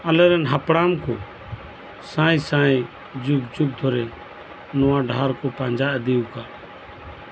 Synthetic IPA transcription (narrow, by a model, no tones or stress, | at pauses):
ələɾənɦəpɽaːmkʰoː | sãːĩːsãːĩ | d͡ʒʊɡd͡ʒʊɡ̚d̪ʰʱoːɾeː | noːãːɖʱaːɾkoːpaːnd͡ʒaːʔd̪eːuːkaː